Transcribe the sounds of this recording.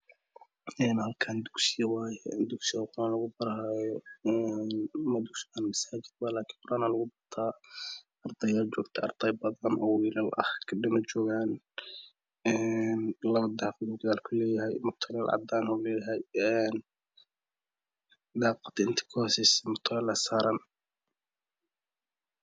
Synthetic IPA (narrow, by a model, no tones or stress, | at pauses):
ɛːnhɐlkʰand̪ʊksɪjɐwaːjɛd̪ʊksɪjaqʊɾaːnlɐɣʊbɐɾhajɔɛnmɐd̪uksɪaːnmɐsaːd͡ʒɪd̪̚waːlaːkʰiːnqʊɾaːnaːlɐɣʊbɐrt̪ʰaː | ɑrd̪ʰɑjaːld͡ʒɔːɡt̪ʰɐɑ̰rd̪ʰɑjbɐðɐnʔɔwiːlɐlʔɐ̰hkʰɐɖɪmɐt͡ʃɔːɣaːn | ɛnlɐβɐd̪ɑːqd̪ʊɡjaːlkʰʊlɛːjɐɦɛjmʊt̪ʰɐlɐlʕɑ̰d̪aːnɔlɛːjɐɦɛjɛːn | d̪ɑːqɑt̪ʰɪnt̪ʰɪ̥kʰɔhsɪsmʊt̪ʰɐɣɐlɐsaːɾɐn